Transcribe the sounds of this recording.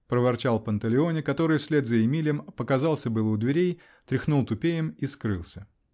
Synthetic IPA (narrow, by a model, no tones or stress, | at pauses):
pɾəvɐrt͡ɕalˠpənt̪əlʲɪonʲɪkɐt̪o̞ɾɨjfsʲlʲed̪zəɪmʲilʲɪjəmpəkɐzɑlˠsʲəbɨlˠəʊd̪vʲɪɾʲej | t̪ɾʲɪxnulˠt̪ʊpʲejɪmiskɾɨlˠsʲə